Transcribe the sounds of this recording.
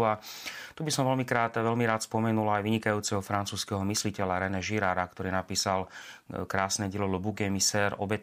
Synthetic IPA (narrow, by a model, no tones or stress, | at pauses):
at̪ubisɔmʋɛlmikɾaːt̪ʋɛlmiɾaːt̪spɔmɛnulajʋiɲikajuːt͡sɛɦɔfɾant͡suːskɛɦɔmislicɛʎaɾɛnɛʒiɾaːɾakt̪ɔɾiːnapiːsalkɾaːsnɛɟɪɛlɔlbuɡɛmisɛːɾɔ̰bɛt